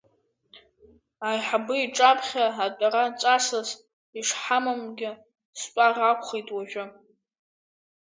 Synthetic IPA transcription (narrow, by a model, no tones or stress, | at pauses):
ajħabɨiʈ͡ʂʼapʰχʲaːtʼaɾat͡ʃʷʼasaz | iʂħamamɡʲɪ | stʷʼarakʷʰʼχejtʼwaʒᶣʷʊ